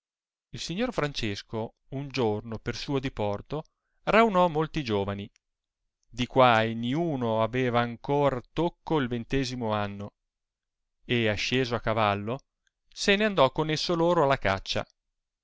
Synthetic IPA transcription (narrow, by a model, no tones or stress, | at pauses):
ilsiɲːorfɾant͡ʃesko | und͡ʒornopersuːod̪ipɔrt̪o | rawnɔmːolt̪id͡ʒoːvani | d̪ikwaːjniuːnoavɛːvaːŋkoːɾat̪okːoilvent̪ɛːzimoanːo | eaʃːeːzoakːavalːo | seneand̪ɔkːonesːoloːɾoalːaka̰t͡ʃːa̰